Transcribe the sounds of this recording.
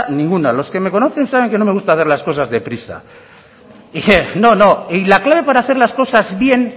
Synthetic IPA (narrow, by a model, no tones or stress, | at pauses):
nĩŋɡunalo̞ske̞me̞ko̞no̞θe̞nsaβ̞e̞ŋkeno̞me̞ɣust̪aθeɾlasko̞sazðe̞pɾisa̰ | no̞no̞eilaklaβ̞e̞paɾaːθe̞ɾlasko̞sazβje̞n